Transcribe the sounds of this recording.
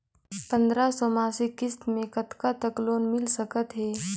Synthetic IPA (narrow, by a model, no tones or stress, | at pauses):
pə̃nd̪ɾasɔmaːsikɪst̪mẽkət̪kat̪əkloːnmɪlsəkət̪ɦɛː